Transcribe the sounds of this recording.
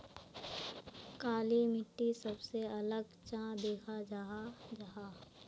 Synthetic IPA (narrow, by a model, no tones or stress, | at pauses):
kaːlimɪʈːisɐbseɐləɡ | t͡ʃãd̪eːkʰad͡ʒaːad͡ʒaɦaː